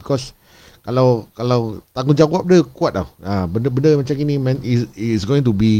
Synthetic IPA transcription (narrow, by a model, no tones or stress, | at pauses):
bikɔs | kalawkalawt̪aŋɡʊ̃d͡ʒawap̚dəkuat̪̚la̰wabəndəbəndəmat͡ʃamkinĩmɛ̃nisisɡoĩŋt̬ubi